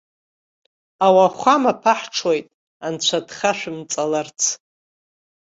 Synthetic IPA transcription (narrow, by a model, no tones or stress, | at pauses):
awaχʷamapʰaħʈ͡ʂʰojtʼ | ant͡ɕʷʰadχaʃʷᶣɨmt͡sʼalart͡sʰ